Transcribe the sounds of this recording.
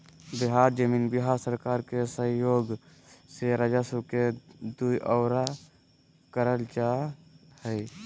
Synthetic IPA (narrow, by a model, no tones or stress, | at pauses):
bɪɦaːɾd͡ʒəminbɪɦaɾsəɾkaːɾkesə̃ɦjoːɡ | seɾəd͡ʒasuked̪uiʔɔːɾa | kəɾəld͡ʒa | həi